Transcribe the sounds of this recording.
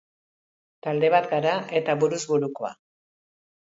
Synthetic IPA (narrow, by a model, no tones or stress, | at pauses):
t̪ald̪e̞β̞at̪ɡaɾaʔe̞t̪aβuɾuzβuɾuko̞a̰